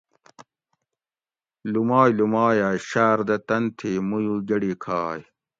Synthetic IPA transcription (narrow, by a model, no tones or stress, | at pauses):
lumaːjlumaːjaːjɕaːɾd̪ɐt̪ɐnt̪ʰeːmujuːd͡ʑɐɽiːkʰaːj